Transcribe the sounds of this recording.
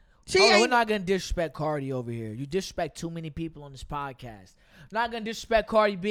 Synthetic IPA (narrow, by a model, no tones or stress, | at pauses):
t͡ʃʰowənət̚ɡ̥ʌnɨdɪsɹ̥pɛkʰl̥ɑɹɾioʊvə˞hḭɹjɨdɨspɛk̚tʰumɛnipipl̩ˠə̃nðɪspʰɑd̚kʰæ̰st | nət̚ɡ̥ʌnədɨspɛk̚kʰɑɹɾibi